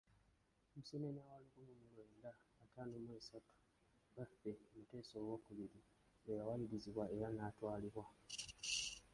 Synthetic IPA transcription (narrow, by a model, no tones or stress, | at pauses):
musinenawalikunumulweːndaːtanomweːsatu̥ | ɡafe̞omute̞ːso̞ːɡokuβiɾi | ejawajiɾiziβwae̞ɾanaːtwaːliβwa